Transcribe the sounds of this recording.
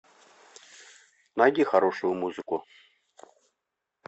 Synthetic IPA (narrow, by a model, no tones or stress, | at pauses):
naɡʲixaɾɔʂʊjʊmuzɨkʊ